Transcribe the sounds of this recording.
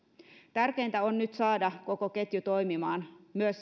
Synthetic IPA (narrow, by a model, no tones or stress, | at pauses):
t̪ærkeːnt̪æonnyt̪sɑːdɑko̞koket̪jut̪o̞jmimɑːnmyøs